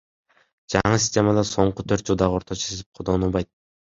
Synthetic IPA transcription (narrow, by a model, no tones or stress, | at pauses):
d͡ʒɑɴɨsʲisʲtʲe̞mɑd̪ɑso̞ɴqʊt̪ʰøɾt̪d͡ʒlˠd̪ɑʁoɾt̪ʰot͡ʃʰe̥sezip̚qʰod̪onulˠbɑjt̪̚